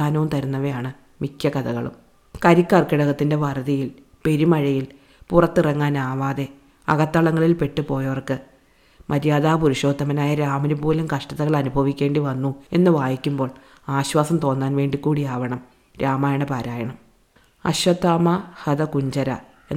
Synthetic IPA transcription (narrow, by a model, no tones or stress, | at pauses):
aːnɐʋumt̪ɐɾunːɐʋejaːɳɨ | mikʲjɐkɐðɐɣɐɭṵm | kɐɾikːɐrkiɽɐɣɐt̪ːinde̞ʋɐrɐðijil | pe̞ɾimɐɻɐjil | purɐt̪ːirɐŋːaːnaːʋaːðe̞ | ɐ̰ɣɐt̪ːɐɭɐŋːɐɭilpe̞ʈːɨpo̞ːjɐʋɐrkɨ | mʔɐɾijaːðaːpuɾuɕo̞ːd̪ʱːɐmɐnaːjɐɾaːmɐnubuːlɐmkɐʂʈɐðɐɣɐɭɐnubʱɐʋikʲːe̞ːɳɖiʋɐnːue̞̰nːɨʋaːjikʲːumbo̞ːɭ | aːɕwaːsɐmt̪o̞ːnːaːnʋe̞ːɳɖikːuːɽijaːʋɐɳɐm | ɾaːmaːjɐɳɐpaːɾaːjɐɳɐm | ɐ̰ɕwɐt̪ːaːmɐhɐd̪ɐkuɲd͡ʑɐɾɐ̰ | ḛ